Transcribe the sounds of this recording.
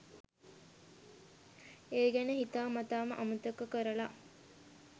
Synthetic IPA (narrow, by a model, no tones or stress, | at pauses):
eːɡænəɦit̪aːmat̪aːməʔamut̪əkːəkəɾəla